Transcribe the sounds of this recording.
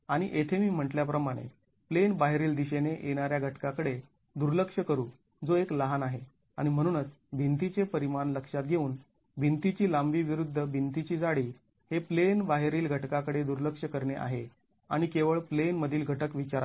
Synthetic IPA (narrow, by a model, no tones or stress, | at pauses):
aɽ̃iʔet̪ʰemiːm̤əʈljapɾəmaɽ̃ḛ | plenbaɦeɾiːld̪iɕeneʔeɽ̃aɾjaɡʱəʈkakəɽe | d̪uɾləkʂəkəɾuː | d͡zoekləɦanaɦe | a̰ɽ̃im̤əɽ̃uːnət͡s | bʱint̪it͡sepəɾimanləkʂat̪̚ɡʱeuːn | bʱint̪it͡ɕiːlambiːʋiɾud̪ʱːəbʱint̪it͡ɕiːd͡zaɽiː | heplenbaɦɾiːlɡʱəʈkakəɽed̪uɾləkʂəkəɾɳeʔa̰ɦe | aɽ̃ikeʋəɭplenməd̪ʱiːlɡʱəʈəkʋit͡ɕaɾa